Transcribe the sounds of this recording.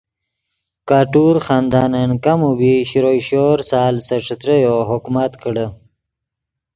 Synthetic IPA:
kaːʈuɾxɑːnd̪ɑːnankamubiɕɾojɕoɾsɑːlsəʂət̪ɾəjoɦʊkmat̪kəɽə

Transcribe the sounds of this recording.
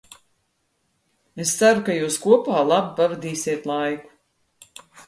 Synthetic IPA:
est̪saɾukajuːskuɔpaːlˠabipavɛd̪iːsʲiɛt̪lˠajku̥

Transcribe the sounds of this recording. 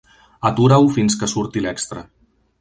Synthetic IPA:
ət̪uɾawfinskəsuɾt̪ilɛkst̪ɾə

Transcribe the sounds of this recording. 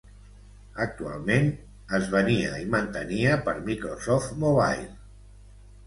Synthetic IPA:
ək̚t̪ua̰lˠmen | əzβəniə̰imənt̪əniəpəɾmikɾosɔft̪moβ̞a̰jl

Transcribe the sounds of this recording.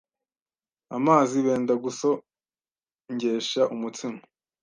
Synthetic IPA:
amaːziβeːndaɡuso | ɲɟe̞ːʃaʔumut͡simo

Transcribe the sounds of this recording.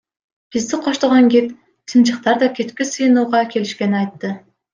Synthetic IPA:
b̥izd̪ɪqʰoʃt̪ɑʁɑŋɡʲet̪ | t̪ʰɯnt͡ʃɯqt̪ɑɾd̪ɑkʲʰet̪kʲisɯjɯnuːʁɑkʲʰe̞liʃkʲe̞niɑjt̪ːɯ

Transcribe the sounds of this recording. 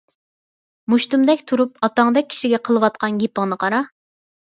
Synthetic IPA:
muʃt̪umd̪ɛkʲt̪ʰuɾupɑt̪ɑŋd̪ɛk̚ʲʰːi̥ʃiɡʲɛqʰəlˠɨwɑt̪̚qʰɑnɡʲepəŋnɨqʰɑɾɑ

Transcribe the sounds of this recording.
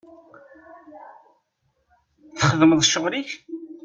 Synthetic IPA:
θəχəðməðˤʃːəʁɾiç

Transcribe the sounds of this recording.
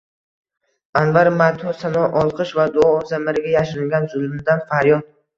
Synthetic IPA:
anvaɾmat̪ʰɔsanɒʔɒlˠqʰɨʃvad̪ʊɒːzamaɾɪɡʲajaʃɪɾɪŋɡʲanzʊlˠmɪd̪anfaɾjɒd̪̚

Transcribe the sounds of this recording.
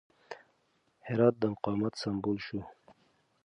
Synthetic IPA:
hɪɾɑːt̪̚d̪əmʊqɑːmat̪sambulʃu

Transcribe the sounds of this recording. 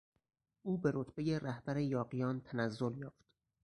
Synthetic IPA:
ʔuːbeɾot̪ʰb̥ejeræhb̥æɾejɒːɢijɒːnt̪ʰænæzːo̞ljɒːft̪

